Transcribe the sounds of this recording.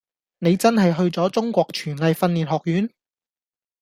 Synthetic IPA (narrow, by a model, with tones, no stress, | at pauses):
ne˨˧jt͡sɐ˥nɦɐ˨jɦɵ˧ɥt͡sɔː˨˥t͡sʊ˥ŋkʷɔː˧k̚t͡ʃʰyː˨˩nlɐ˨˧jfɐ˧nliː˨˩nɦɔː˨k̚jyː˨˥n